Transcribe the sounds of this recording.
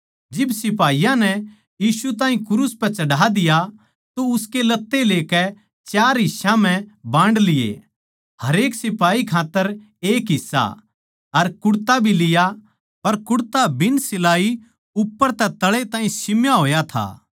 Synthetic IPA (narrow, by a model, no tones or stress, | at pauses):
d͡ʒɪbsɪp̬aːijãnɛ | jiːsut̪ãːɦĩkʊɾuspɛ̃t͡ʃɐɽaːd̪ɪja | t̪oʊskelɐt̪ːeleːkɛ | t͡ʃjaːɾɦɪʃãm̤ɛ̃bãːɳɖlɪjḛ | hɐɾeːksɪpaːikʰaːt̪ːəɾ | eːkɦɪsːa̰ | ɐɾkʊɽt̪abʱilɪja | pɐɾkʊɽt̪abɪnsɪlaːi | ʊpːəɾt̪ɛt̪ɐɭet̪ãːɦĩsɪmjaɦoːjat̪ʰa̰ː